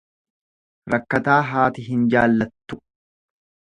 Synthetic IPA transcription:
ɾɐkːɐt̪aːɦaːt̪ɪɦɪnd͡ʒaːlːɐt̪ːʊ

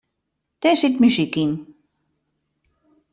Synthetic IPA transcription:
t̪esit̪mysikin

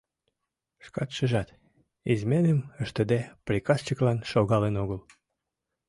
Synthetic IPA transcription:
ʃkɑt̪ʃəʒɑt̪ | izmenəməʃt̪ə̆d̪eprʲikɑst͡ɕəklɑnʃoɣɑlenoɣəl

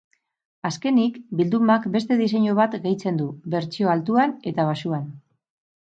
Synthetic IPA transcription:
aske̞nikbild̪umakbe̞st̪e̞ðis̬e̞ɲoβ̞at̪ɣe̞jt͡se̞nd̪uβe̞ɾt͡sio̞alt̪uane̞t̪aβ̞asuan

